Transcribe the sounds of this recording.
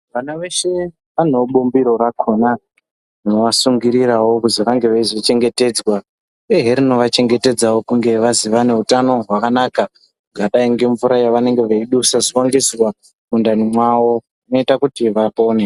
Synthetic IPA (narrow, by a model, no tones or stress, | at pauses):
ʋanaʋe̞ʃe̞ | ʋanoɓumbiɾo̞ɾakʰo̞na | rinoʋasuŋɡiɾiɾawokuziʋaŋɡe̞ʋaizit͡ʃe̞ŋɡe̞te̞ːd͡zwa | eɦeɾino̞ʋat͡ʃe̞ŋɡe̞te̞d͡zawo̞kuŋɡe̞ʋaziʋane̞ɦutano̞ɦwakanaːka | ŋɡaɗaiŋɡe̞ɱvuɾajaʋane̞ŋɡe̞ʋaiɗusaziwoŋɡisrwa | mundanimwawo̞ | ino̞itakutiʋapo̞ːne